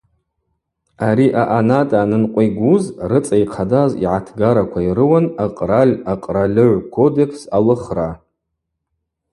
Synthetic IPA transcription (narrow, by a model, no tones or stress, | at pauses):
aɾiʔaʔanatʼaːnɨnqʷʼiɡʷuzrɨt͡sʼajqʰadazḭʕatʰɡaɾakʷʰaiɾɨwanaqʼralʲaqʼralʲɨʕʷkʷʰo̞de̞kʰsalɨχra